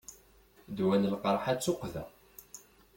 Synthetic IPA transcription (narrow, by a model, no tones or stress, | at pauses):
d̪wænəlqəɾˤħat͡sːʊqːðæ̰